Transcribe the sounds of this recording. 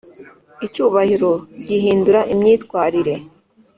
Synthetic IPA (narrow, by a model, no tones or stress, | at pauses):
icuːβahiɾo̞ɟiɦiːnduɾaʔimɲiːtkwaːɾiɾe̞